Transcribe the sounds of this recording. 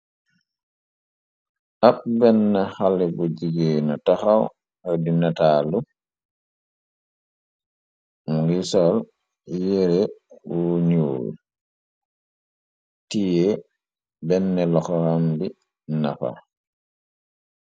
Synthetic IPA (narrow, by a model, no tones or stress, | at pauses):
ʔap̚bɛnːɛhalɛbɔd͡ʒiɡɛːnataxaw | hadinataːlu | mɡisɔl | jeɾɛwoɲoːj̰ | tijɛ | bɛnːɛlɔxɔhambi | nafa̰